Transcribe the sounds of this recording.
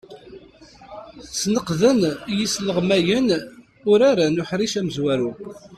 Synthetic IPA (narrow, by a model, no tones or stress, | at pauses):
snəqðənjisləʁmæjən | ʊɾaɾanʊħɾiʃæməzwæɾu